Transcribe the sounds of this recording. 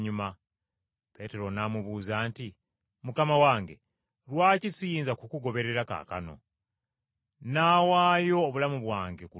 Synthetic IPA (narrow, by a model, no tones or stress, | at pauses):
ɲuma | pe̞te̞ɾo̞namuβuːzaːnti | mukamawaːŋɡe̞̰ | ɾwaːcisiːnzakukuɡo̞βe̞ɾe̞ɾaka̰ka̰no̞̰ | naːwaːjo̞ːβulamuβwaːŋɡe̞ku